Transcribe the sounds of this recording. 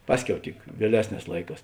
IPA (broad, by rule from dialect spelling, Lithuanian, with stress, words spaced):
ˈpɑːsʲˌkʲɛʊ tʲɪk ʋʲiɛˈlʲæːsʲˌnʲɛːs ˈlˠɐɪˌkɑːs